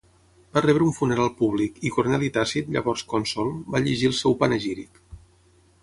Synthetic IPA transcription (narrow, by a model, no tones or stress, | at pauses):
b̥arɛβɾəuɱfunəɾalˠpuβ̞likikuɾnɛlit̪asit̪ʎə̰βɔrskɔnsɔlˠbaʎeʒilˠsɛwpanəʒiɾik